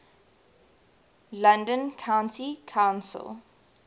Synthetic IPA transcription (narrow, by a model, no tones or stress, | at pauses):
lãndə̃nkʰãʊ̃ntikʰãʊ̃nsə̰lˠ